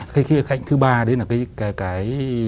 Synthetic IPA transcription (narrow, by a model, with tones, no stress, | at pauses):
xa˨˧˦xi˨˦xa˧˨jŋ̟t̪ɨ˨˦ɓaː˧ɗlaː˨˩kaː˨˦jkaː˨˦jkaː˨˦j